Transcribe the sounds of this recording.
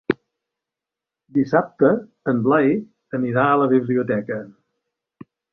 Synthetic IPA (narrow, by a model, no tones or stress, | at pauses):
d̪isap̚t̪ə | əmblaj | əniɾaələβiβliut̪ɛkə